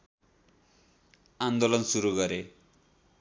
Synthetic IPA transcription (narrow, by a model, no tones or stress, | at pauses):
and̪olɔnsuɾukʌɾe